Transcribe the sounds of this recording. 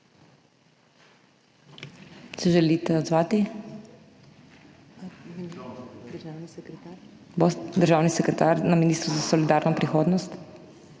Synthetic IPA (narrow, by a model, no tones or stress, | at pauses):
sɛʒɛlit̪ɛod̪zvat̪i | d̪ɾʒavniɛkɾɛt̪aɾ | bɔst̪d̪əɾʒavnisɛkɾɛt̪aɾnaminist̪ɾozasolid̪aɾnopɾixɔd̪nost̪